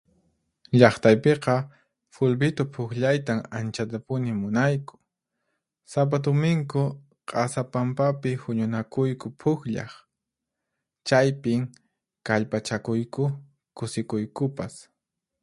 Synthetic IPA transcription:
ʎɑχt̪ajpeqɑ | fʊlbɪt̪opʰʊkʎajt̪aŋant͡ʃat̪apʊnɪmʊnajkʊ̥ | sap̬at̪ʊmɪŋkʊ | qʼɑsapampapɪhʊɲʊnakʊjkʊpʰʊxʎɑ̰χ | t͡ʃajpɪŋ | kaʎpat͡ʃakʊjkʊ | kʊsɪkʊjkʊpas

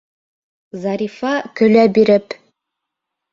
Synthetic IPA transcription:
zɑɾʲifɑkɵ̆læbiɾɘp

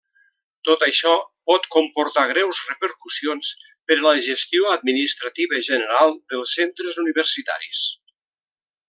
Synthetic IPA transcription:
t̪ot̪əʃɔpɔt̪kompuɾt̪aɣ̞ɾɛwzrəpəɾkusions | pəɾələʒəst̪ioəd̪̚minist̪ɾət̪iβəʒənəɾalˠd̪əlˠsent̪ɾəzuniβərsit̪a̰ɾḭs

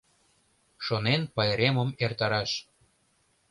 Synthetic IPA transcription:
ʃonenpɑjɾeməmert̪ɑɾɑʃ

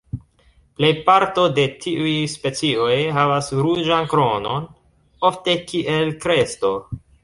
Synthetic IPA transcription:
ple̞jpaɾto̞de̞tʰiʔujspe̞t͡siojɦavasɾud͡ʒankɾo̞no̞n | o̞fte̞kiʔe̞lkɾe̞sto̞

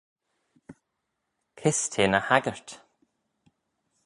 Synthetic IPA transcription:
kʰɪst̪ʰeːnəhaɡəɹt̪

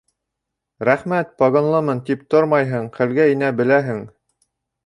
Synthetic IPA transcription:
ɾæχmæt̪̚pɑɡonlˠɤmɤnt̪ipt̪oɾmɑjɦɤɴqɘ̆lɡæinæbɘ̆læɦɘŋ

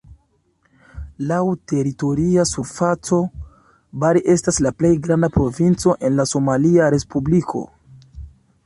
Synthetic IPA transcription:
lawte̞ɾito̞ɾiasuɾfat͡so̞ | baɾiʔe̞staslaple̞jɡɾandapɾo̞vint͡so̞ʔe̞nlaso̞maliaɾe̞spublikʰo̞̰

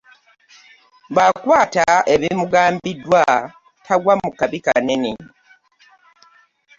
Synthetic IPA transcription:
βakwaːtae̞βimuɡaːmbidwa | tʰaɡwamukaβikanene

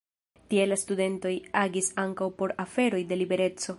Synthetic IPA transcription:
tie̞lastude̞nto̞jaɡisaŋkawpo̞ɾafe̞ɾo̞jde̞libe̞ɾe̞t͡so̞

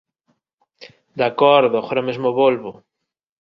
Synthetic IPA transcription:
d̪akɔɾðoxoɾaomezmoβolβo

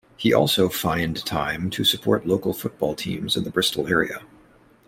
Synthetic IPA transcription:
hiʔɔ̰lˠsoʊfãɪ̃ntʰã̰ɪ̃mtʰɨsɨpʰɔ̰ɹtˡloʊkl̩ˠfʊt̚b̥ɔlˠtʰḭ̃mzɨ̃nðəbɹɪstˡl̩ˠɛɹḭɨ̰

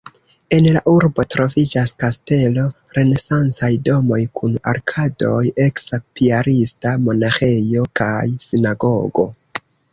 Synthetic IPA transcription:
e̞nlaʔuɾbo̞tɾo̞vid͡ʒaskaste̞lo̞ | ɾe̞ne̞sant͡sajdo̞mo̞jkʰuna̰ɾkʰado̞je̞ksapiaɾistamo̞naxe̞jo̞kajsinaɡo̞ɡo̞̰

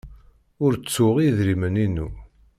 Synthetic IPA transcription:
ʊɾt͡sːʊʁiðɾiməninu

